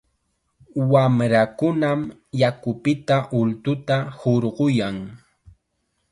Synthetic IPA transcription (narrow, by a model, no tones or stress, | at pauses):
wamɾakʊnamjakʊpɪt̪aʔʊlt̪ʊt̪ahoɾɢʊjaŋ